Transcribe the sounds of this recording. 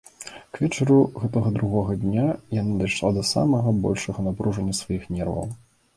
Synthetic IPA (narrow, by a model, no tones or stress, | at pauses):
kvʲɛt͡ʂɐɾuɣɛt̪ɐɣɐd̪ɾuɣɔɣɐd̪ʲnʲajanad̪ajʂlˠad̪ɐsa̰mɐɣɐbɔ̰lʲʂɐɣɐnapɾuʐɐnʲːɐsvajixnʲɛrvɐ̰w